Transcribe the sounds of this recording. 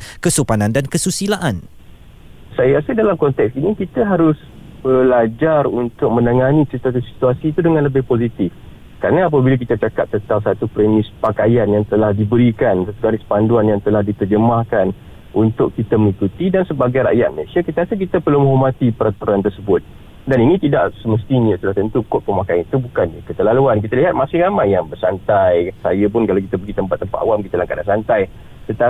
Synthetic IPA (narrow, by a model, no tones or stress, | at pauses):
kəsupanandankəsusilaʔan | sajakasadalamkɔnt̪ɛksinikit̪aɦaɾʊs | b̥əlad͡ʒarunt̪ʊk̚mə̃naŋanisist̪at̪usi̥t̪uasiːt̪udəŋãnləbɪhposit̪ɪf | kɾarnaːp̬abilak̬it̪at͡ʃakap̚t̪ət̪awsat̪upɾemɪspakajanjaŋt̪əlahdibəɾikansat̪uɡaɾɪspanduanjaŋt̪əlahdip̪ərd͡ʒəmahkan | ʔunt̪ʊkkit̪aməŋikut̪idansəbaɡajɾa̰ʔjat̪̚məlesiakit̪aasək̬it̪əpəlumɦomat̪ipəɾat̪uɾant̪ərsəbʊt̪̚ | daninĩt̪idaʔsəməst̪iɲə̃st̪ulaht̪ənt̪ukʊt̪̚pəmakajanit̪ubukanɲakət̪əlaluank̬it̪aliɦat̪̚masɪŋɾamajːaŋbərsant̪ajsajəp̬ʊnkalawkit̪əbəɡit̪əmpat̪ːəmpat̪a̰wamkit̪alaŋkadansant̪aj | t̪ənt̪a